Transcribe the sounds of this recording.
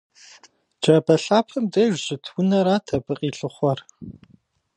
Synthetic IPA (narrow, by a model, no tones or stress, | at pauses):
d͡ʒɐbɐɬaːpʰɐmdɐʒʷʑɪtʰwʊnɐɾaːtʰɐbɨqʼiːɬɨχʷɔr